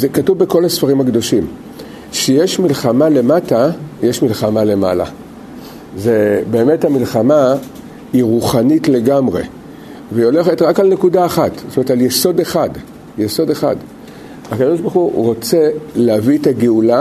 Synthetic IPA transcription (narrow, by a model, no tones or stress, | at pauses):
zekatuvbeko̞lasfaʁimhaɡdo̞ʃim | ʃejeʃmilχamale̞matajeʃmilχamale̞ma̰la̰ | ze̞be̞ːme̞thamilχama | iʁuχanitle̞ɡamʁe̞̰ | veio̞le̞χetʁakalne̞kudaaχatztometaljeso̞deχad | jeso̞de̞χa̰d | akado̞ʃbaχuʁo̞t͡se̞leavietaɡeula